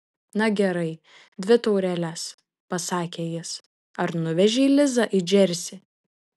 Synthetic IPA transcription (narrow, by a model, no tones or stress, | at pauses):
nɐɡʲɛɾɐɪ | d̪ʲʋʲɪt̪ɔʊɾʲɛlʲæs | pɐsɑːkʲeːjɪs | ɐɾnʊʋʲɛʒʲɛilʲɪzɑʔɪd͡ʒʲɛɾʲsʲɪ